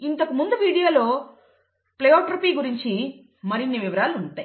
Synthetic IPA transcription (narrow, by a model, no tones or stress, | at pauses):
int̪ɐkumund̪uʋiːɽijoːlo̞ː | plɐjoːʈɾupiːɡuɾiɲt͡ʃi | mɐɾinːiʋiʋɐɾaːluuɳʈaːj